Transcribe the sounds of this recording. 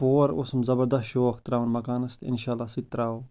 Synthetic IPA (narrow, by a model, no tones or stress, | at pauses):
poɐɾo̰smzɐbɐɾd̪ɐsoːɐxt̪ɾaːwɐnmɐkaːnɐst̪ḭnʃaːlːaːsit̪ːɾaːwo